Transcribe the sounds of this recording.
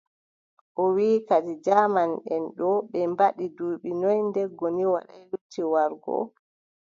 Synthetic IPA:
ʔɔwiːkad͡ʒid͡ʒamanɗɛnɗɔɓɛmbaɗiduːɓinɔjndɛɡːɔniwaɗa̰jɾutːiwaɾɡɔ̰

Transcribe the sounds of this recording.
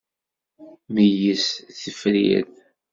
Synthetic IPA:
məjəsθəfɾḭð

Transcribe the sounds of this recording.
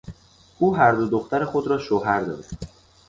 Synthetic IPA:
uːɦæɾd̪o̞d̪oxt̪ʰæɾexo̞d̪ɾɒːʃoɦæɾd̪ɒ̰ːd̪

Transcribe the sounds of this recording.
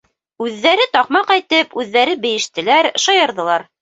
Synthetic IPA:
ʉðːæɾɘt̪ɒqmɑqɑjt̪ɤpʉðːæɾɘbɘ̆jɘ̆ʃt̪ɘ̆læɾʃɑjɤ̆ɾðɤ̆lˠɑɾ

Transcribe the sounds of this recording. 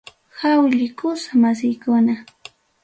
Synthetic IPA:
xawʎɪkʊsamas̬ɪjkʊna

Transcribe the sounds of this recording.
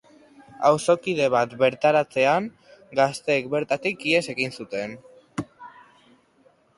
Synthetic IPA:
awso̞kiðe̞β̞at̪βe̞ɾt̪aɾat͡se̞aŋ | ɡast̪e̞ːkbe̞ɾt̪at̪ikie̞se̞ɣinsut̪e̞n

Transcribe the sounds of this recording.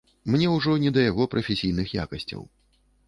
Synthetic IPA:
mnʲɛwʐɔnʲɛd̪ɐjaɣɔpɾʔɐfʲesʲijn̪ɨxja̰kɐsʲt͡sʲɐ̰w

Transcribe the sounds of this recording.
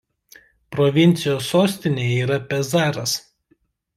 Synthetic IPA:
pɾɔʋʲɪnʲt̪sʲɪjoːsːoːsʲt̪ʲɪnʲeːjiːɾɐpʲɛzɑːɾɐs

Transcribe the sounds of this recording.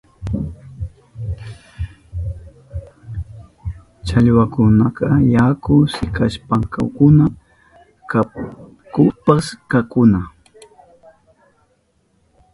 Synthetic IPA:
t͡ʃaʎwakʊnakɑjakʊsɪkaʃpaŋka̰wkʊna | ka | kʊpaskakʊna

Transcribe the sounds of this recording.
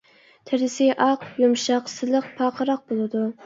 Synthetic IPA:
t̪ʰɪɾɪsɪʔɑqjumʃɑqsɨlˠəq̚pʰɑqʰəɾɑq̚bolˠɨd̪u

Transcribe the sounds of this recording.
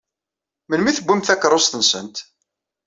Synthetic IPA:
mənmiθəbʷːimθækːɾˤosθənsənt̪

